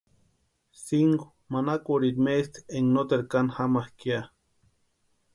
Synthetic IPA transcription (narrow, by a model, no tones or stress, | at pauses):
siŋko̥ | manakʷoɾiɾmest̪eŋnot̪eɾkanhamahkia